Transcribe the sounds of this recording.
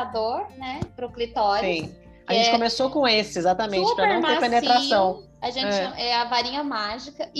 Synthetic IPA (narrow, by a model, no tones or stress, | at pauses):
ad̪oɾnɛpɾoklit̪ɔɾsiʊ̃ | aʒẽnt͡ʃɪkõmesokõesɪezat̪ɐmẽnt͡ʃt͡ʃpɾɐnɐ̃w̃mepenet̪ɾasɐ̃w̃ | aʒẽnt͡ʃɛt͡ʃɪnɐ̃w̃ʔɛɐvaɾĩɲɐmaʒikɐ